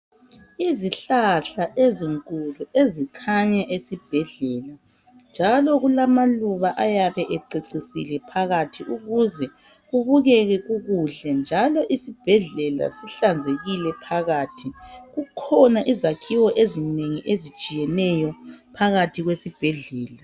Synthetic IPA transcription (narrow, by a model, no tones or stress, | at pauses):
iziɬaɬaʔeziŋkʼuluezikʰaɲaʔesib̥ʱɛɮɛːla | nd͡ʒʱalɔɣulamaluβaʔajaβɛʔɛǀiǀisḭlɛpʰaɣatʰiʔuɣuzɛ | ɣuβuɣɛɣɛɣuɣuɮɛnd͡ʒʱalɔʔisib̥ʱɛɮɛla̰siɬand͡zʱeɣilɛpʰaɣaːtʰiɣukʰɔnaʔizakʰiwɔʔezineŋiʔezi̥t͡ʃʼijɛnɛjɔpʰaɣatʰiɣwesib̥ʱɛɮɛːla